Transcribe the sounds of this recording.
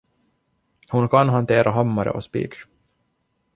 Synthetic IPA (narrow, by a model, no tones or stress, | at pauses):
hʊnkʰanɦant̪ʰeːɾʔaɦamːaɾə̰ʔɔspḭːɡ